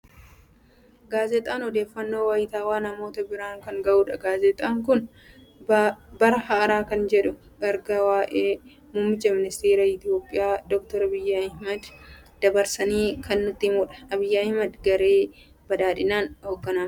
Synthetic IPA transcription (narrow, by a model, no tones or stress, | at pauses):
ɡaːzɛt̪ʼaːnɔd̪e̞ːfːɐnːo̞ːwaːjɪt̪aːwaːnɐmo̞ːt̪ɐbɪɾaːŋkɐŋɡɐʔuːᶑɐɡaːzɛt̪ʼaːŋk̬ʊn | bɐɾɐhɐʔɐɾaːkɐnd͡ʒɛᶑʊ | ɡɐɾɡɐwaːʔeː | muːmːɪt͡ʃːɐmɪnɪst̪eːɾaːɪt̪ɪjo̞ːpʼːɪjaːd̪ɔk̚t̪ɔɾɐbɪjːɐɐhmɐd̪ | d̪̥ɐbɐɾsɐniːkʰɐnːʊt̪ːɪmʊːᶑɐ̥ɐbɪjːaɐhmɐd̪ɡɐɾe̞ː | bɐd̪aːᶑɪnaːnhoːɡːɐnaːm